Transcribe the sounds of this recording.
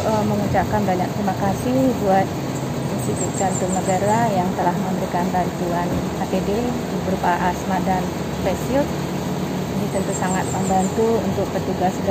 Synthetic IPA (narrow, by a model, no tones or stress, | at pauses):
əməŋut͡ʃakanbaɲak̚t̪ɾimakasɪhbuat̪̚ | inst̪it̪ut̪̚t͡ʃant̪unəɡaɾajaŋt̪əlahməmbəɾikanbant̪uan | at̪ede | dibəɾupaaʔasmadan | spesiʊt̚ | dit̪ənt̪usaŋat̪̚məmbant̪uunt̪ʊk̚pərt̪uɡasd